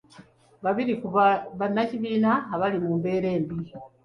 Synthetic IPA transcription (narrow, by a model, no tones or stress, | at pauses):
βaβiɾikuββanaciβiːnaːβalimuːmbe̞ːɾe̞ːmbi